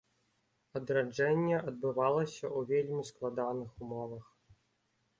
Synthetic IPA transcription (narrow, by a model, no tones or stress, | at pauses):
ɐd̪ɾad͡ʐɛnʲːɛʔɐd̪̚bɨvalˠɐsʲɐuvʲelʲmʲisklˠad̪anɨxumɔvɐx